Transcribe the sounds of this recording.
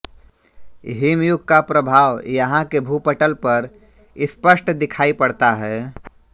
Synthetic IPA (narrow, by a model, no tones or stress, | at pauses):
ɦimjʊɡkapɾəbʱaːʋjəɦãkebʱupəʈəlpəɾ | ɪspəsʈʰd̪ɪkʰaːipəɽt̪aɦɛ